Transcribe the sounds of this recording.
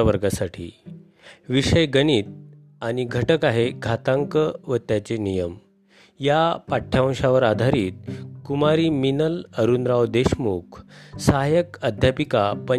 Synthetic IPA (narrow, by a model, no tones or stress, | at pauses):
əʋəɾɡasaʈʰḭː | ʋiʂəjɡəniːt̪̚ | añiɡʱəʈəkaɦeɡʱat̪ãŋkəʋət̪jat͡senijəm | japaʈʰːjãɕaʋəɾad̪ʱaɾiːt̪̚kumaɾiːminələɾunɾawd̪eɕmukʰsaɦajəkad̪ʱjapikapə